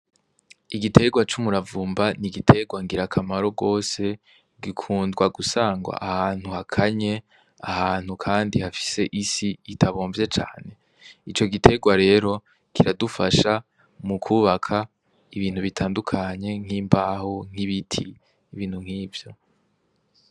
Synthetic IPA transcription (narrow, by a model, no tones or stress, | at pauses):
iɡitʰe̞ɡwat͡ʃumuɾavuːmbaniɡitʰe̞ɡwaŋɡiɾakʰamaɾo̞ɡo̞ːse̞ | ɡikʰuːndɡwaɡusaːŋɡwa̰ʔahaːn̥huhakʰaɲe̞ | ahaːn̥hukʰaːndihafi̥se̞ʔisiːtʰaβoːɱvje̞t͡ʃa̰ːne̞ | it͡ʃo̞ɡitʰe̞ɡwaɾe̞ːɾo̞ | kiɾadufaʃa | mukʰuːβakʰa | iβiːn̥huβitʰaːndukʰaɲe̞ŋ̥hiːmbaːhuŋ̥hiβitʰḭː | βiːnhuŋhiːvjo̞